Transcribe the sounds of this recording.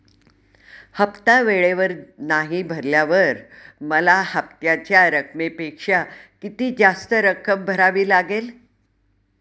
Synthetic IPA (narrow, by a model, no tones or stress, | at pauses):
həpt̪aʋeɭeʋəɾnaɦibʱəɾljaʋəɾməlahəp̚t̪jat͡ɕjaɾəkmepekʂakit̪iːd͡zast̪əɾəkʰəmbʱəɾaʋiːlaɡel